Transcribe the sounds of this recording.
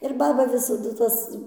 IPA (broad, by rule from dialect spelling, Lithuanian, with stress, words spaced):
ɪr ˈbɑːbɐ ʋʲɪsɐˈdʊ ˈtɐs